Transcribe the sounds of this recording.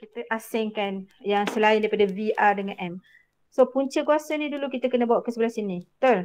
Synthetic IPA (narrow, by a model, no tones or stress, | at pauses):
kit̪əʔasɪŋkanjaŋsəlaɪndajpadaviʔadəŋãnʔɛm | sopuɲt͡ʃəkuasanĩdulukit̪akənəbawaʔkəsəbəlasinit̪ol